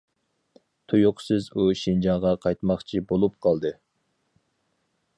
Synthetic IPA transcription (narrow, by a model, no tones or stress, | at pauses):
t̪ʰujuqsɨzuʃind͡ʒɑʁɑqʰɑjt̪mɑχt͡ʃʰibolˠup̚qʰɑlˠd̪ɨ